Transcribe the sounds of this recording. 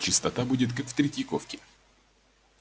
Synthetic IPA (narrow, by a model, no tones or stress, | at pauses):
t͡ɕɪst̪ɐt̪abudʲɪt̪kakft̪ɾʲɪtʲɪkofkʲɪ